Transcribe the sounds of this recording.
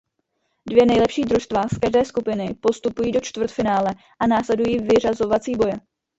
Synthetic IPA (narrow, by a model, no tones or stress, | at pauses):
dvjɛnɛjlɛpʃiːdɾuʃst̪vaːskaʒdɛːskupɪnɪpo̞st̪upujiːdo̞t͡ʃt̪vr̩t̪fɪnaːlɛ | ʔanaːslɛdujiːvɪr̝azo̞vat͡siːbo̞jɛ